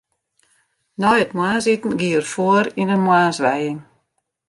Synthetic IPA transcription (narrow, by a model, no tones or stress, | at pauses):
nɔjətmwaːnsitn̩ɡiərfoəɾinənmwaːsʋɛjɪŋ